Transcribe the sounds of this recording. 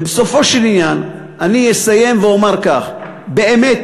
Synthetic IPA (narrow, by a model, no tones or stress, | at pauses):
beso̞fo̞ʃelinjan | ʔanijesaje̞mveomaʁkaχ | be̞ʔemet̪